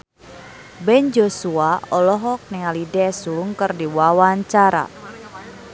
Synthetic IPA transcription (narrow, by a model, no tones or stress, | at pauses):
bɛnd͡ʒosuaɔlɔɦɔk̚niŋalidɛsuuŋkərdiwawaɲt͡ʃaɾa̰